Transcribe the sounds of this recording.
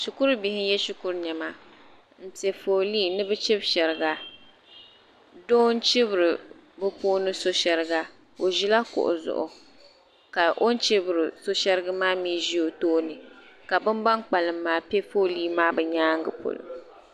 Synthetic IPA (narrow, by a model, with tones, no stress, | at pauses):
ʃu˨ku˦ɾbi˨hɪ˦jɛ˦ʃu˦ku˦ɾɲɛ˨ma˦ | m̩˨tɛ˨fo˨liː˦nɨ˦bɨ˦t͡ʃɪ˦bʃɛ˨ɾɨ˨ɡa˦ | doː˦n˦t͡ʃɪ˦bɨ˨ɾɨ˨ | bɨ˦poː˦nɨ˦so˦ʃɛ˨ɾɨ˨˦ɡa˦ | o˨ʒi˦la˦kʊ̰˨ʔʊ̰˨zʊ̰˨ʔʊ̰˨ | ka˨ʔo˦n˦t͡ʃɪ˦bɨ˨ɾɨ˨so˦ʃɛ˦ɾɨ˦ɡɨ˦maː˦miː˦ʒi˦jo˨toː˦nɨ˨ka˨bɨ˦mba˦ŋk͡pa˨lɨ˨mːaː˦pe˦fo˦liː˦maː˦bɛ˨ɲaː˦ŋ˦ɡɨ̰˨po̰˨lʊ̰˨